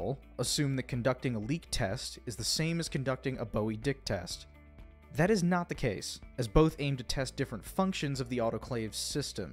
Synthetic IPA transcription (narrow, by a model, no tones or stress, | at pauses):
l̩ˠ | əsʉ̃mðɨt̚kʰn̩dʌk̚tɪ̃ŋəlik̚tʰɛ̰stɨzðɨsẽɪ̃mɨz̥kʰɨ̃n̩dʌk̚tɪ̃ŋə̰boʊidɪk̚tʰɛ̰st | ðɨɾɨznət̪̚ðɨkʰeɪsɨzboʊθẽɪ̃mtʰɨtʰɛsd̥ɪfɹə̃ntfʌ̃ŋkʃɨ̃nzʌvðiɔɾoʊkʰl̥eɪv̥sɪstɨ̃m